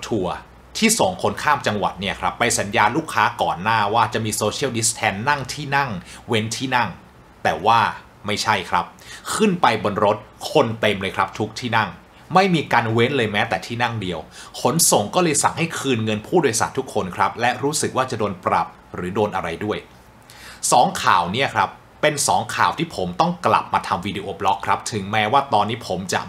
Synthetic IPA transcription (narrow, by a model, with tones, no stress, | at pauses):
t̪ʰu˧ɐ | t̪ʰiː˥˩sɔ˩˦ŋkʰo˨˦˥nkʰaː˥˩mt͡ɕa˧ŋwa̰˨˩t̪̚ni˥˩ɐkʰɾa˦˥pːa˧jsa˩˦njaː˧nluː˥˩kʰːaː˦˥kɔ̰ː˨˩nːaː˥˩waː˥˩t͡ɕa˨˩ʔmiː˧soː˧t͡ɕʰi˥˩ə˩wdi˦˥st̪ʰɛː˧nːa˥˩ŋt̪ʰiː˥˩na˥˩ŋwe˦˥nt̪ʰiː˥˩na˥˩ŋ | t̪ɛː˨˩waː˥˩ | ma˥˩jt͡ɕʰa˥˩jkʰɾa˦˥p̚kʰɯ˥˩npa˧jbo˧nɾo˦˥t̪̚kʰo˧nt̪e˧mlɤː˧jkʰɾa˦˥p̚t̪ʰu˦˥k̚t̪ʰiː˥˩na˥˩ŋ | ma˥˩jmiː˧kaː˧nwe˦˥nlɤː˧jmɛː˦˥t̪ɛː˨˩t̪ʰiː˥˩na˥˩ŋdi˧əwkʰo˩˦nso˨˩ŋkɔː˥˩lɤː˧jsa̰˨˩ŋha˥˩jkʰɯː˧nŋɤ˧npʰuː˥˩do˧jsa̰˨˩nt̪ʰu˦˥kʰːo˧nkʰɾa˦˥p̚lɛ˦˥ʔɾuː˦˥sɯ˨˩k̚waː˥˩t͡ɕa˨˩doː˧npɾa̰˨˩p̚ | ɾɯː˩˦doː˧nʔa˧ɾa˧jdu˥˩əj | sɔː˩˦ŋkʰa̰ː˨˩wni˥˩ɐkʰɾa˦˥pːe˧nsɔ̰ː˩˦ŋkʰaː˨˩wt̪ʰiː˥˩pʰo˩˦mt̪ɔ˥˩ŋkla̰˨˩p̚maː˧t̪ʰa˧mwiː˧di˧ʔoː˧plɔ˦˥kʰːɾa˦˥p̚t̪ʰɯ˩˦ŋmɛː˦˥waː˥˩t̪ɔː˧nːiː˦˥pʰo˩˦mt͡ɕa̰˨˩